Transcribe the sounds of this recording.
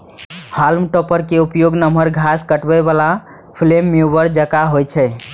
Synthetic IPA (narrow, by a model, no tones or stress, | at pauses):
halmʈɔpəɾkeupjoɡnəməɾɡʱaskəʈbɛbala | pʰlemːeubəɾd͡ʒəkaɦojt͡ʃʰɛ